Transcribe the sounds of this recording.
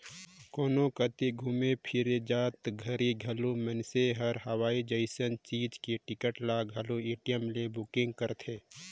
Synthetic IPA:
koːnokət̪iɡʱumepʰɪɾed͡ʒaːt̪ɡʱɐɾiɡʱɐlumənseɦəɾɦəwaːid͡ʒəɪsənt͡ʃiːd͡ʒkeʈɪkəʈlaɡʱɐlueːʈijəmlebʊkɪ̃ŋɡ̚kəɾt̪ʰeː

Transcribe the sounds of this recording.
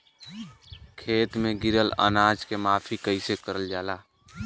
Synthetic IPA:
kʰeːt̪mẽɡɪɾələ̰naːd͡ʒkemaːpʰikəɪsekəɾəld͡ʒaːlaː

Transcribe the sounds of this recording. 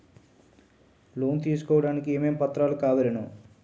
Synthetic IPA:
lo̞ːnt̪iːsu̥kɔːʋɐɽaːnikieːmeːmpɐt̪ːɾaːlukaːʋɐɾɐnu

